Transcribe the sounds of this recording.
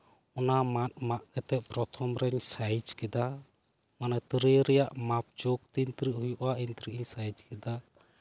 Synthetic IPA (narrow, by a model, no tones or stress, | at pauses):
ɔnamat̪̚maʔkɛt̪ɛʔ̚pɾɔt̪ʰɔmɾɛɲsajd͡ʒkɛd̪a | manat̪ɾɛɾɛjaʔmap̚d͡ʒɔk̚t̪int̪ɾiʔhujɔʔaint̪ɾiʔiɲsajd͡ʒkɛd̪a